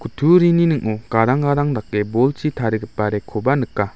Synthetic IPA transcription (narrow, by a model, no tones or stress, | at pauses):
kʰutʰuɾininɯknokaɾaŋɡaɾaŋdak̚ːebolt͡ʃʰit̪ʰaɾɯɡɯp̚ːaɾekʰobanɯkːa